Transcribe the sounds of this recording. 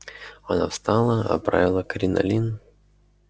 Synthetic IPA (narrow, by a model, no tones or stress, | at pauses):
ɐnafst̪alˠəɐ̰pɾa̰vʲɪlˠəkɾʲɪnɐ̰lʲin